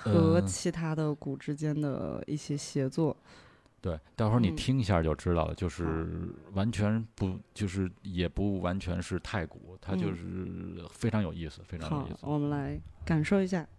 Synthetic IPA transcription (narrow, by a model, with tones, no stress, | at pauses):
xɤ˧˥t͡ɕʰi˧˥t̪ʰa˥d̪ə˨ku˨˩ʈ͡ʂɻ̩˥t͡ɕjɛ˥nd̪ə̰˨ḭ˥˩ɕjɛ˥ɕjɛ˧˥t͡swɔ˥˩ | t̪we˥˩ɪt̪ɑ˥˧ʊʂwɔ˥˩˧ni˨˩t̪ʰi˥ŋi˧˥ɕja̰˥˧˩t͡ɕjo˥˧ʊʈ͡ʂɻ̩˥t̪ɑ˥˩ʊlə̰˩t͡ɕjo˥˧ʊʂɻ̩˥˩wa˧˥nt͡ɕʰɥɛ˧˥npu˧˥˩t͡ɕjo˥˧ʊʂɻ̩˥˩jɛ˨˩pu˧˥wa˧˥nt͡ɕʰɥɛ˧˥nʂɻ̩˥˧t̪ʰa˥˩ɪkṵ˨˩˦t̪ʰa˥t͡ɕjo˥˧ʊʂɻ̩˥˩fe˥ɪʈ͡ʂʰɑ˧˥ŋjo˨˩ʊi˥˩sɹ̩˩fe˥ɪʈ͡ʂʰŋɑ̰˨˩˨dḭ˥˩swɔ˨˩mə˦nla˧˥ɪka˨˩nʂo˥˩ʊi˧˥ɕ̬ja˥˩